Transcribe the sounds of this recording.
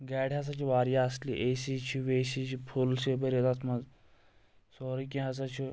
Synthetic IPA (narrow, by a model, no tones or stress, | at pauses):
ɡɛɽɦas̬at͡ɕiːʋaɾjaəslḭʔesit͡ɕʰiʋesit͡ɕʰipʰulsebəɾjet̪at̪mad͡z | sɔɾiːkĩɦasat͡ɕʰi